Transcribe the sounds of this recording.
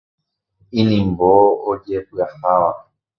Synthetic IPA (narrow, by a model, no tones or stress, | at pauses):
ĩnĩmbood͡ʒe̞pɨahaʋa